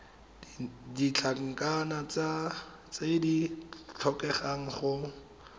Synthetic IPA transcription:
dit͡ɬʰaŋ̩kanat͡sa | t͡sedit͡ɬʰɔkɛχaŋ̩χʊ

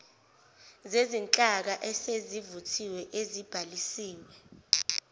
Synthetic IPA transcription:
zezint͡ɬʼak̬aʔɛsezivutʰiwɛʔezib̥ʱalisiːwɛ

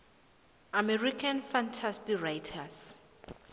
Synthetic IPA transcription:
amɛrikʰãnfãntʰastirajtʰas

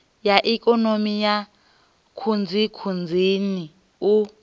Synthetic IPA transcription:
jaʔikʼɔnomija | kʰund͡zʱikʰund͡zʱini | u

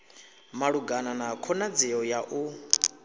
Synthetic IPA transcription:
maɺuɡananakʰɔnad͡zɛɔjaʔu

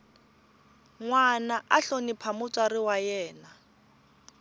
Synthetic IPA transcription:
ŋwanaʔaɬonipʰamʊt͡sʼarɪwajɛːna

